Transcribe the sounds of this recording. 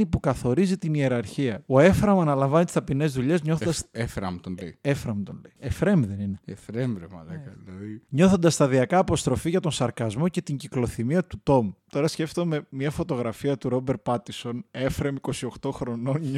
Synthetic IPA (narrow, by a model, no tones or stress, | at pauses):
ipukɐθo̞ɾizit̪inie̞ɾɐɾçiɐo̞e̞fɾɐmɐnɐlɐɱvɐnit̪ist̪ɐpine̞zðuʎe̞zɲoθod̪ɐsefɾɐmt̪onlejefɾɐmt̪o̰nlejefɾe̞mðenineefɾemɾemɐ̰lɐkɐloiɲo̞θond̪ɐst̪ɐðiɐkɐːpo̞st̪ɾo̞fiʝɐt̪o̞nsɐɾkɐzmo̞ce̞t̪iɲɟiklo̞θimiɐt̪ut̪o̞mt̪o̞ɾɐsce̞ft̪o̞me̞miɐfo̞t̪o̞ɣɾɐfiɐt̪uɾo̞beɾt̪̚pɐt̪iso̞ne̞fɾemiko̞sio̞xt̪o̞xɾo̞non